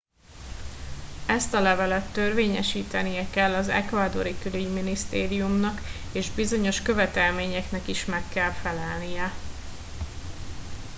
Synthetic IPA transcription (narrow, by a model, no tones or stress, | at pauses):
ɛst̪ɒlɛvɛlɛt̪ːø̞rveːɲɛ̰ʃiːt̪ɛnijɛkɛlːɒzɛ̰kvaːd̪o̞ɾikylyɟminist̪eːɾijumnɒk | eːʒbizo̞ɲo̞ʃkø̞vɛt̪ɛlmeːɲɛknɛkiʃmɛkːɛlfɛlɛlnijɛ